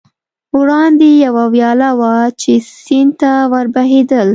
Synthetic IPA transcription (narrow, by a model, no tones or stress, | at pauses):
wɽɑnd̪ejawawjɑlawat͡ʃesint̪awaɾbaɦed̪əl